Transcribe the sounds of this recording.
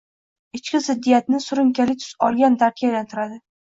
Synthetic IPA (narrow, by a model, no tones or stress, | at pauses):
ɪt͡ʃkʲɪzɪd̪ːijat̪nɪsʊɾɪmkʲʰalɪt̪ʰʊ̥sɒlˠɡʲand̪aɾkʲʰajalant̪ʰɪɾad̪ɪ